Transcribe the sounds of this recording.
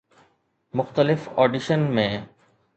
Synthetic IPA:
mʊxt̪əlɪfɔːɖiʃənmẽː

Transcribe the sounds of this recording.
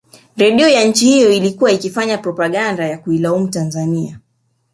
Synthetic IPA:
ɾɛɗiɔjaɲ̩t͡ʃihijɔilikuwaikifaɲapɾɔpaɠandajakuilaum̩tanzania

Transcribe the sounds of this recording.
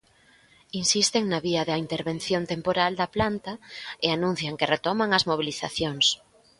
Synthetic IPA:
insist̪eŋnɐβiɐðɐint̪eɾβen̟θjont̪empoɾald̪ɐplant̪ɐeanũn̟θjɐŋkeret̪ɔmaŋɐzmoβ̞iliθa̰θjoŋs

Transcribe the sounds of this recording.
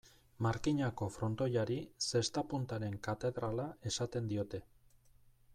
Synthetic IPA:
maɾkiɲako̞fɾo̞nt̪o̞jaɾise̞st̪apunt̪aɾe̞ŋkat̪e̞ðɾalae̞sat̪e̞nd̪io̞t̪e̞

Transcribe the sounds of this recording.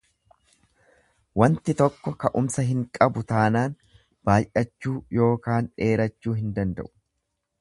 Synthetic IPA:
wɐnt̪ɪt̪ɔkːɔkɐʔʊmsɐɦɪŋkʼɐbʊt̪aːnaːn | b̥aːjʔɐt͡ʃːuːjo̞ːkaːne̞ːɾɐt͡ʃːuːɦɪnd̪ɐnd̪ɐ̰ʔʊ̥

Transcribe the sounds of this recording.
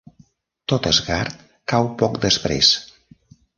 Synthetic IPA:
t̪ot̪əzɣaɾt̪ | kawpɔkd̪əspɾḛs

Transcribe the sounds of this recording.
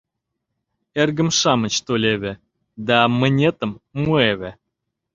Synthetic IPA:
erɡə̆mʃɑmət͡ɕt̪olʲeβʲe | d̪ɑmə̆nʲet̪əmːueβʲe

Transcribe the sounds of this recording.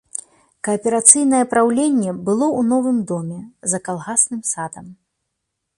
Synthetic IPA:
kɐːpʲɛɾat̪sɨjnɐjɛpɾawlʲenʲːɛbɨlˠɔunɔvɨmd̪ɔmʲɛzɐkalˠɣasnɨmsad̪ɐm

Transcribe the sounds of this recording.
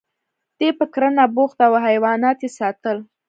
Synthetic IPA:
d̪̥epəkɾənaboxt̪awɦajwɑnɑt̪jesɑt̪əl

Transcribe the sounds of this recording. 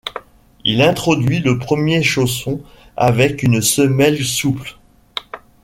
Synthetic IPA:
ilɛ̃t̪χɔd̪ɥiləpχəmjeʃos̬ɔ̃ | a̰vɛkynsəmɛlsupl

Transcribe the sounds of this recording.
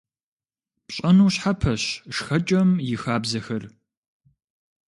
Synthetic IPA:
pɕʼɐnuːɕħapʰɐɕʂxɐt͡ʃʼɐmjɪxaːbzɐxɐr

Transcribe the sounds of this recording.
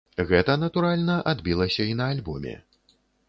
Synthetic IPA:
ɣɛt̪ɐnɐt̪uɾalʲnɐʔad̪bʲilˠɐsʲɐinɐːlʲbɔmʲɛ̰

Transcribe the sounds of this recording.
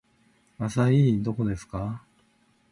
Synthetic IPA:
asaid̪o̞ko̞d̪e̞sɨ̥ka

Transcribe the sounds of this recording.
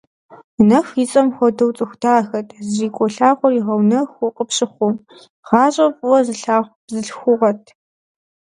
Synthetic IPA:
nɐxjit͡sʼɐmxʷɔdɐwt͡sʼɨxʷtʰaːxɐtʰziːkʷʼɔɬaːʁʷɔriʁɐwnɐxʊqʼəpɕʼɪχʷʊm | ʁ̥ɑːɕʼɐpʼwɔzɨɬaːʁʷ | zɨɬxʷʊʁɐtʰ

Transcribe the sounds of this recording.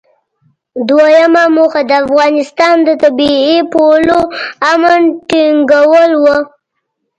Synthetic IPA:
d̪wajamamuxad̪əafɣɑnɪst̪ɑnd̪ət̪abiepoloamanʈiŋɡawəlwə

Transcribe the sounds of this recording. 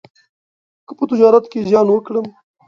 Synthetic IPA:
kəpət̪ɪd͡ʒɑɾat̪kezjɑnwəkɽəm

